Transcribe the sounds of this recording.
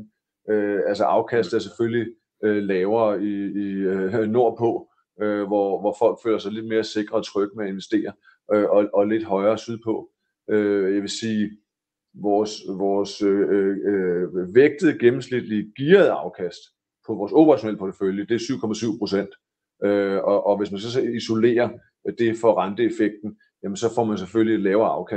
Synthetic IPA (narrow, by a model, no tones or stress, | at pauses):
øælsəʔɑ̈ʊkʰæsd̥æɐsefølli | ølɛːʊɐiː | no̝ɐ̰pʰɔ̽ | øʋɒʋɒfɒ̽l̰ɡ̥fø̰ːlɐsɑɪle̝d̥̚me̝ːɐse̝ɡ̥ʁɐːt͡sʰʁœɡ̥əmeæe̝nʋesd̥e̝̰ːɐ | ʔøɒ̽ʔɒ̽le̝d̥ɦɒ̽ɪɐːsyð̞ˠpʰɒ̽ | øjæʋe̝siː | ʋɒːsʋɒːsø | ʋeɡ̥̚d̥əð̩ˠɡ̥emm̩slid̥liɡ̥iːɐð̩ˠɑ̈ʊkʰæsd̥ | pʰɒ̽ʋɒːso̝b̥ʰəʁɑ̈ɕonel̰əpʰɒt͡sʰə̥føljəd̥e̝æsyʊ̰kʰɒ̽mæsyʊ̰pʰʁo̝sen̰d̥ | øɒ̽ʔɒ̽ʋe̝s̬mænsɒ̽siso̝le̝̰ːɐ | d̥e̝fɒʁɑnd̥əe̝feɡ̥̚d̥n̩ | jæmənsɒ̽fɒ̰ːmænsefølied̥lɛːʊɐɑ̈ʊkʰæs